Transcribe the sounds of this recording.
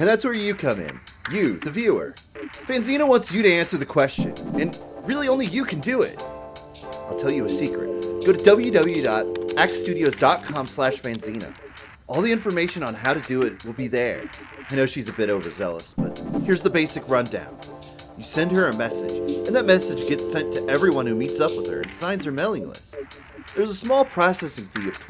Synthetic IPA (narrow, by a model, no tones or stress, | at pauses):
ɨ̃nðætswə˞jɨkʰʌ̃mɪ̰̃njɨðɨvjʉə̰˞v̥æ̃nzĩñəwɑ̃ntsjɨɾɨæ̃nsə˞ðɨkʰw̥ɛst͡ʃɨ̰̃nɨ̃n | ɹɪlˠiõʊ̃nlijɨkʰɨ̃n̩dɨɪ̰t̚ | aɪlˠtʰɛlˠjɨɨsikɹɨ̰t̚ɡ̥oʊɾɨdʌbl̩ˠjʉdʌbl̩ˠjʉdɑɾɛkstʉɾioʊzdɑt̚kʰɑ̃mslæʃfæ̃nzĩnɨ̰ | ʔɔlˠðiɪ̃ɱfə˞meɪʃɨ̃nə̃nɦaʊɾɨdɨɪt̚wəlˠbiðə˞ | aɪñoʊʃizɨbɪɾoʊvə˞zɛ̰lˠə̰sb̥ʌ̰t̚hɪɹzðəbeɪsɨkɹʌ̃ndã̰ʊ̃n | jɨsɛ̃nd̚ə˞ɨmɛsɨ̰̥d͡ʒɨ̃nðɨt̚mɛsɨd͡ʒɡɛtsɛ̃ntʰɨʔɛvɹiwʌ̃nhʉmitsʌpwəð̥ə̰˞ɨ̰̃nsãɪ̃nz̥ə˞mɛlˠɪ̰̃ŋlə̰s | ðə˞zəsmɔlˠpʰɹ̥ɑsɛsɨ̃nfiɨ